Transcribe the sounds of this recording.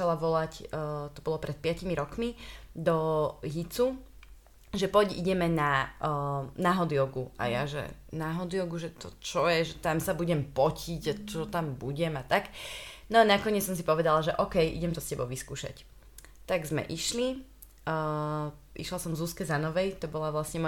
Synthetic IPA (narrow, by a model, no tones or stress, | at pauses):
alaʋɔlacːt̪ɔbɔlɔpɾʔɛt̪̚pɪacimiɾɔkmid̪ɔɦit͡su | ʒɛpɔɟḭɟɛmɛna | naɦɔd̪iɔɡua̰jaʒɛ̰ | naɦɔd̪iɔɡuʒɛt̪ɔt͡ʃɔjɛʒɛt̪amsabuɟɛmpɔcʰiɟat͡ʃɔt̪ambuɟɛmat̪aknɔanakɔɲɛt͡ssɔms̬ipɔʋɛd̪alaʒɛʔɔkɛjʔḭɟɛmt̪ɔscɛbɔʊʋiskuːʃa̰c | t̪aɡzmɛ̰ʔiʃli | ʔḭʃlasɔmvzuskɛzanɔʋɛjt̪ɔbɔlaʋlasɲɛmɔ